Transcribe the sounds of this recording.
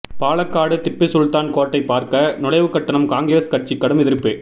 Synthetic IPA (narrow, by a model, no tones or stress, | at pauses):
paːɭɐkːaːɽɯt̪ɪpːɪsʊɻt̪aːnkoːʈːɐɪpːaːɾkɐnʊɽɐɪʋɯkːɐʈːɐɳɐmkaːŋɡɾeːskɐʈ̚t͡ʃikːɐɽɯmɛðɪɾpːeː